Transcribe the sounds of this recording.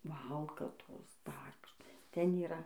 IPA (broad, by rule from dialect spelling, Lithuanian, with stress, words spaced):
ˈʋɐlˠkɐtoːs ˈdɐr kɐʃˈkɐs ˈtʲɛn iːˈrɐ